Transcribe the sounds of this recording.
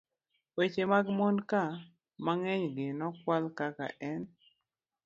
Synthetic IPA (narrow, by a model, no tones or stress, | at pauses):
wet͡ʃemaɡmonka | maŋɛɲɡɪnɔkwalkaka̰ʔɛn